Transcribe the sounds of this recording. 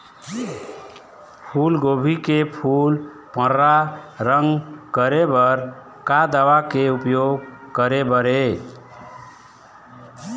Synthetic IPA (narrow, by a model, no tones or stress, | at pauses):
pʰulɡobʱikepʰul | pə̃ɾaɾəŋɡkəɾebəɾ | kad̪awakeupjoɡkəɾebəɾe